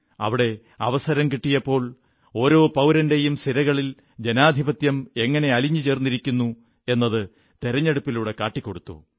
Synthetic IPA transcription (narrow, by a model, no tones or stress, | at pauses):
ɐ̰ʋiɽe̞ | ɐʋɐsɐɾɐmkiʈːijɐpːo̞ːɭ | o̞ːɾo̞ːpɐwɾɐnde̞jumsiɾɐɣɐɭil | d͡ʑe̞naːd̪ʱibɐt̪jɐme̞ŋːɐne̞ɐliɲːut͡ɕe̞ːrnːiɾikʲːunːu | e̞nːɐðɨ | t̪eɾɐɲːeɽupːiluːɽe̞kaːʈːikʲːo̞ɽut̪ːo̰ː